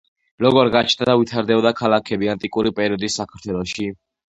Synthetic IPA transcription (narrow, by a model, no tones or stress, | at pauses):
ɾɔɡɔɾɡat͡ʃʰnd̪ad̪avit̪ʰaɾd̪ɛbɔd̪akʰalakʰɛbiant̪ʼikʼuɾipʼɛɾiɔd̪isːakʰaɾt̪ʰwɛlˠɔʃi